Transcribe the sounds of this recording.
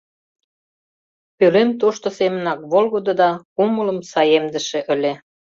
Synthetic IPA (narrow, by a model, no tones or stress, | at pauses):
pylemt̪oʃt̪osemə̆nɑkβolɣod̪od̪ɑkumələmsɑjemd̪ə̆ʃĕʔə̆lʲe